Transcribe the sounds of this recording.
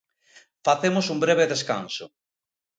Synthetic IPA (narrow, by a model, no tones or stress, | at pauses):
faθemosumbɾeβ̞eðeska̰nso